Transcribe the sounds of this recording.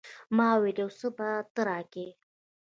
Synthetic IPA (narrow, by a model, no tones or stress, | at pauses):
mɑwelewsəbat̪əɾɑke